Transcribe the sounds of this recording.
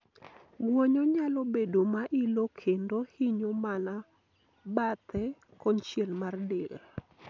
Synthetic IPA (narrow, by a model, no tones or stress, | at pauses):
ɡwɔɲɔɲalɔbedomaʔilokʰendohiɲomana | bat̪ʰɛ | kɔnt͡ʃjɛlmardɪl